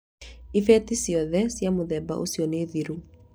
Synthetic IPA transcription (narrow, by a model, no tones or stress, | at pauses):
ifɛtisiɔðɛsjamoðɛba̰ʔo̰sjɔneðiɾu